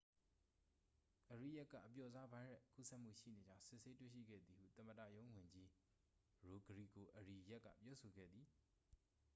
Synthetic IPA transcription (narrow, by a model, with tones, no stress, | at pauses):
ʔəɹḭ˦˨ja˦ʔkːä̰˨ʔəp̬jɔ˨za˦bã˦ɹɛ˦˨kṵ˦˨sɛ˦ʔm̥ṵ˦˨ʃḭ˦˨ne˨d͡ʑã˦ʊ̃sɪ˦˨ʔse˦twḛ˦˨ʃḭ˦˨ɡɛ̰˦˨d̪ði˨hṵ˦˨t̪ə̃˨mədä̰˦˨jõ˦ʊ̃wʊ̃˨ɲd͡ʑi˦ | ɹo˨ɡəɹḭ˦˨ko˨ʔəɹi˨ja˦ʔkːä̰˦˨pjɔ˦so˨ɡɛ̰˦˨d̪ði˨